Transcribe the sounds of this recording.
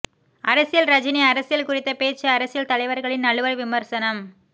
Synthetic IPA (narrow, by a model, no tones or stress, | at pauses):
ʔɐɾɐsɪjɐlɾɐd͡ʒɪniɐɾɐsɪjɐlkʊrɪt̪ːɐpeːt͡ʃːɐɐɾɐsɪjɐlt̪ɐlɐɪʋɐɾɣɐɭɪnnɐɭɯʋɐɭʋɪmɐɾsɐnɐm